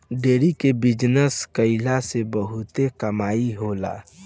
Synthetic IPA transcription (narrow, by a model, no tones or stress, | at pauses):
ɖeːɾikebɪd͡ʒnəskəɪlasebəɦʊt̪ekəmaːiɦola̰ː